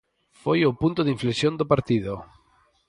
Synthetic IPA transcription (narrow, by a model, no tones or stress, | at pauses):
fojopunt̪ʊðiɱflesjond̪opaɾt̪iðo